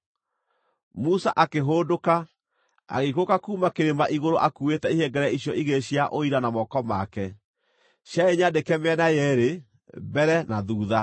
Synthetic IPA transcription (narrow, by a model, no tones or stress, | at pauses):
musaʔakeɦoːdoka | a̰ɣekokakuːmakeɾemaʔiɣoɾoʔakuetɛihɛŋɡɛɾɛiɕjɔʔiɣeɕjaʔoiɾanamɔkɔma̰kɛ | ɕjaeɲadekɛmeɛnajɛɾe | bɛɾɛnaðuːða